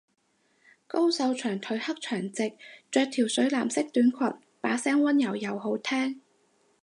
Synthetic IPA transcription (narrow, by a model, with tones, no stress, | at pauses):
ko˥wsɐ˨˧wt͡ʃʰœː˨˩ŋt̪ʰɵ˨˥ɥhɐ˥p̚t͡ʃʰœː˨˩ŋt͡sɪ˨k̚t͡ʃœː˧k̚t̪ʰiː˨˩wsɵ˨˥laː˨˩msɪ˥k̚t̪yː˨˥nkʰɐ˨˩t̚ | paː˨˥sɛː˥ŋwɐ˥njɐ˨˩wjɐ˨wɦo˨˥wt̪ʰɛː˥ŋ